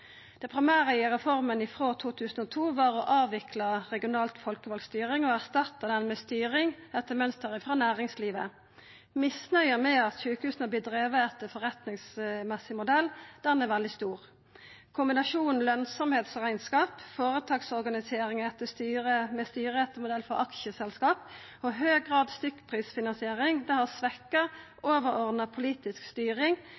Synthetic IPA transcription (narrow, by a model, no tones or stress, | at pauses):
d̪̥ɛpʰʁɪmæːʁəɪʁɛfɔʁmənɪfʁoːt̪ʰuːt̪ʰʉːsn̩ɔt̪ʰuːʋɑːʁɔʔɑːʋɪkʰlɑʁɛɡɪʊnɑːlt̪fɔlkəʋɑlɡst̪yːʁɪŋɔæʁst̪ɑt̪ːɑd̪ɛnmɛːst̪yːʁɪŋɛt̪ːəmœnst̪əʁəfʁɑːnæːʁɪŋsliːʋə | mɪsnœʏəmɛːɑt̪ʃyːkəhʉːsənəblɪːd̪ʁeːʋəɛt̪ːəfɔʁɛt̪nɪŋsmɛsɪmʊd̪ɛld̪̥ɛnɛʋɛld̪ɪst̪uːʁ | kʰʊmbɪnɑʃuːnn̩lœnsɔmheːt̪sʁæɪnskɑːpfoːʁət̪ʰɑːɡsɔʁɡɑnɪseːɾɪŋɛt̪ːəst̪yːʁəmɛst̪yːɾəɛt̪əmʊd̪ɛlfɔʁɑkʃəsɛlskɑːp | ɔɦøːɡʁɑːd̪st̪ʏkːpʰʁiːsfɪnɑnsɪeːʁɪŋd̪ɛhɑsʋɛkːə | ʔoːʋəʁɔʁd̪nəpʰʊliːt̪ɪskst̪yːʁɪŋ